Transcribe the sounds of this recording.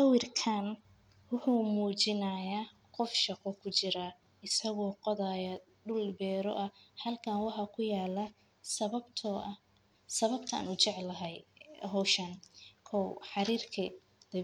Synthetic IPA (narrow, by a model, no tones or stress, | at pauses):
sɐwɪrkʰan | wʊħuːmuːt͡ʃɪnɐjaː | qɔfʃɑqɔkʰʊt͡ʃɪɾa | ɪsɐɣɔːqɔðajɐ | ɖʊlbɛːɾɔ̰ʔɐhɐlkʰaːnwɑħɑkʰʊjaːlɐ | sɐɐbt̪ʰː | sɐβɐbt̪ʰɐaa̰ːnʊt͡ʃɛʕlɐɦɛjɦɔwʃɐnkʰɔwħɑɾiːrkʰi | d̪̥ɐ